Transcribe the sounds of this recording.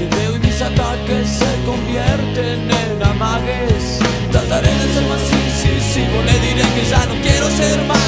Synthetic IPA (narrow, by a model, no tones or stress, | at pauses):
keðewimisat̪akesːekõmbjɛɾt̪ene | namaɣes | t̪azaɾeðeseɾmasisisiβoneðiɾekeʒanõw̃kɛɾoseɾma